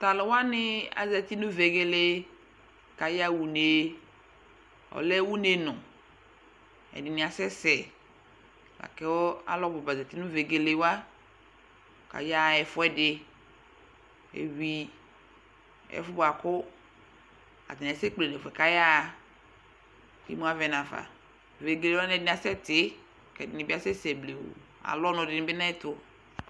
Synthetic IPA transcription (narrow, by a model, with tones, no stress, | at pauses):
t̪a˨lɔ˨wa˦nɪ˦a̰˨za˨t̪i˦nũ˦ve˨ɡe˦le˦ | ka˨ja˦wu˨ne˨ | ɔ̰˨lɛ˦wu˦ne˦nɔ̃˨ | ɛ̰˨dɪ˨nɪ̃˨a˨sɛ˦sɛ˨ | la̰˨kɛ˦wɔ˦a̰˦lɔ˦ɡ͡bɔ˨ba˨za˨t̪i˦nũ˦ve˨ɡe˨le˨˦wa˦˨ | ka̰˨ja˦˨ɛ˨fʊ˦ɛ˦dɪ˨ | ḛ˨wi˦ | ɛ̰˨˦fʊ˦ba˨kʊ˦ | a̰˨t̪ɪ˨n˨se˦k͡ple˨ne˨fɛ˨ka˦ja˦˨ | kḛ˦mũ˦a˦vɛ˨nã˨va̰˨ | ve˨ɡe˨le˨˦wa˦nɛ˨dɪ˨n˨˦a˨sɛ˦t̪ɪ˨˦˨ | kɛ˨dɪ˨nɪ̃˨bɪ˦a˦sɛ˦sɛ˨ble˨wo̰˨ | a̰˨lɔ˦nɔ̃˨dɪ˨nɪ̃˨˦bɪ˦nã˦ɛ˦t̪ʊ˦